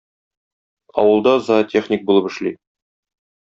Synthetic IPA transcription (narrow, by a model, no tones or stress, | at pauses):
ɒ̰wɤ̆lˠd̪ɑzɑtʲʰeχnʲik̚bulˠɤpɘ̆ʃli